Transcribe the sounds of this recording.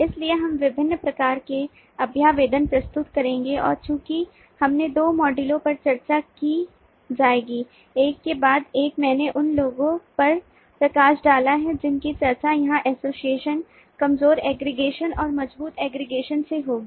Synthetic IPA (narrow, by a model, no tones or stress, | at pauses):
ɪslieɦɐmʋɪbʱɪnːəpɾɐkaːɾke | ɐbʱjaːʋeːd̪ənpɾɐst̪ʊt̪kɐɾẽːŋɡeʔɔ̰ːɾt͡ʃũːki | hɐmned̪oːmɔːɖɪlõpɐɾt͡ʃɐɾt͡ʃaki | d͡ʒaːeːɡiː | eːkːebaːd̪eːkmɛ̃ːneʔʊnloːɡõpɐɾ | pɾɐkaːʃɖaːlaɦɛd͡ʒɪnkit͡ʃɐɾt͡ʃajɐɦãʔɛːsoːsieːʃən | kɐmzoːɾɛːɡɾɪɡeːʃənɔːɾmɐd͡ʒbuːt̪ɛːɡɾɪɡeːʃənseɦoːɡiː